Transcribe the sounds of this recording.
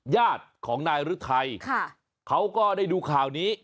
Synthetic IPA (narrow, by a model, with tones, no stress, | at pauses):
jaː˥˩t̪̚kʰɔː˩˦ŋnaː˧jɾɯ˦˥t̪ʰa˧jkʰa˥˩ | kʰa˦˥wkɔː˥˩daː˥˩jduː˧kʰaː˨˩wniː˦˥